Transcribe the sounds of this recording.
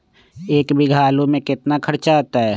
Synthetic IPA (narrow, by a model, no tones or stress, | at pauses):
eːkbɪɡʱaːlõmẽkɪt̪nakʰəɾt͡ʃaat̪aɦɛː